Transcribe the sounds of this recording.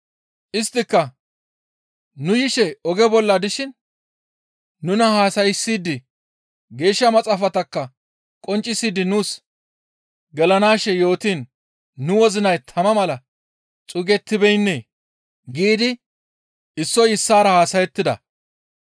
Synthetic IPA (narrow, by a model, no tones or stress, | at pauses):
ʔɪst̪ːɪkːɐ | nʊjɪʃɛɔɡɛbɔlːɐd̪ɪʃɪn | ʊnɐhaːsɐjɪsːiːd̪ɪ | ɡe̞ːʃːɐmɐt͡sʼaːfɐt̪ɐkːɐ | kʼɔnt͡ʃʼːɪsiːd̪ɪnuːs | ɡɛlɐnaːʃɛjo̞ːt̪iːnː | ʊwɔzɪnɐjt̪ʰɐmɐmɐlɐ | t͡sʼʊɡɛt̪ːɪbɛjnːeː | ɡiːd̪ɪ | ɪsːɔjɪsːaːɾɐhaːsɐjɛt̪ːɪd̪ɐ̰